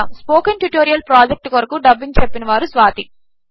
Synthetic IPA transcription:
amspoːkɐnʈjuʈoːɾijɐlpɾaːd͡ʒek̚ʈkoɾɐkuɖɐbːiɲt͡ʃepːinɐʋaːɾusʋaːt̪i

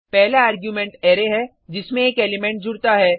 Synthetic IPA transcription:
pɛɦlaaːɾɡjuːmɛ̃ɳʈɛːɾeɦɛ | d͡ʒɪsmẽeːkeːlɪmɛ̃ɳʈ̚d͡ʒʱʊɽt̪aɦɛː

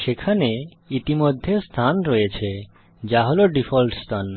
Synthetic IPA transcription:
ʃekʰane | it̪imod̪ʱːest̪ʰanɾɔjet͡ɕʰe | d͡ʑaɦoloɖifʰolʈst̪ʰan

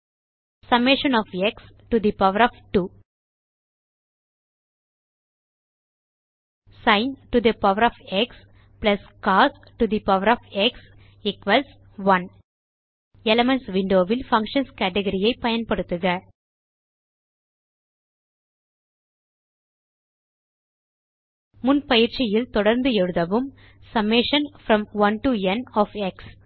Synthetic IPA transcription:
sɐmeʃɐ̃nɔːfɛks | ʈud̪ipɐʋəɾɔːfʈuː | sãɪnʈud̪ɐpɐʋəɾɔːfɛks | plɐskaːs | ʈud̪ipɐʋəɾɔːfɛks | ɪkʋɐls | ʋɐ̃n | ɛlɐmɛnsʋɪɳɖoːʋɪlfɐ̃ŋkʂɐnskæːʈɛɣɐɾɪjɐɪpɐjɐnpɐɽɯt̪ːɯɣɐ | mʊnpɐjɪɾt͡ʃɪjɪlt̪ɔɽɐɾnd̪ɯɛɻɯðɐʋɯm | sɐmeʂɐnfɾɐ̃mʋɐnʈuɛnɔːfɛks

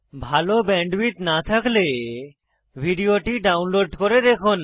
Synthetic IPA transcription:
bʱalobɛɳɖbit̪nat̪ʰakle | bʱiɖioʈiɖawnloɖkoɾed̪ekʰon

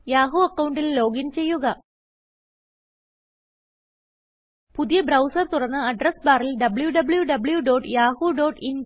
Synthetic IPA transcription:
jaːɦuɐkːɐwuɳɖillo̞ːɡint͡ɕe̞jːuɣɐ | puðijɐbɾɐwsɐrt̪urɐnːɨɐɖrɐsbaːrilɖɐbɭjuɖɐbɭjuɖɐbɭjuɖo̞ːɖjaːɦuɖo̞ːʈin

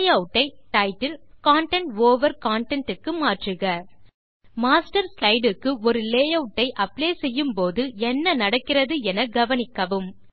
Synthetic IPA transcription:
jɐʊʈːɐɪʈɐɪʈːɪlkaːɳʈɛɳʈʋoːʋɐɾkaːɳʈɛɳʈɯkːɯmaːʈrɯɣɐ | maːsʈɐɾslɐɪɖɯkːɯɔɾɯleːjɐʊʈːɐɪʔɐpːleːsɛjːɯmpoːðɯɛnːɐnɐɽɐkːɪrɐðɯɛnɐɡɐʋɐnɪkːɐʋɯm

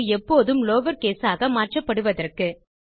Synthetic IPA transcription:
ɛpːoːðɯmloːʋɐɾkeːsaːɣɐmaːʈrɐpːɐɽɯʋɐðɐrkɯ

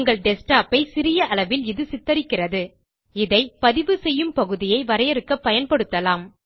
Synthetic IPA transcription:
ŋɡɐɭɖɛsʈaːpɐɪsɪɾɪjɐʔɐlɐʋɪlɪðɯsɪt̪ːɐɾɪkːɪrɐðɯ | ɪðɐɪpɐðɪʋɯsɛjːɯmpɐɣɯðɪjɐɪʋɐɾɐjɛɾɯkːɐpːɐjɐnpɐɽɯt̪ːɐlaːm

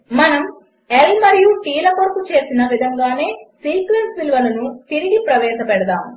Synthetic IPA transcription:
mɐnɐm | elmɐɾijuʈiːlɐkɐɾkut͡ʃe̞ːsinɐʋid̪ʱɐŋɡaːne̞ːsiːkʋensʋilʋɐlɐnut̪iɾiɡipɾɐʋɛːʃɐpɛɽɐd̪aːm

